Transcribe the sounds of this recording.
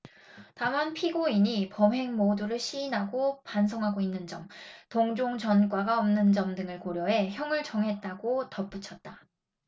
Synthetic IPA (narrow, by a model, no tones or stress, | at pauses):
tamanpʰiɡoiɲipʌmɦe̞ŋmoduɾɯɭɕʰiːnɦaɡopansʰʌŋɦaɡoinːɯnd͡ʑʌmtoŋd͡ʑoŋt͡ɕʌnk͈waɡaʌmnɯnd͡ʑʌmdɯŋɯɭkoɾjʌɦe̞çjʌŋɯɭt͡ɕʌŋɦe̞t̚t͈aɡotʌp͈ut͡ɕʰʌt̚t͈a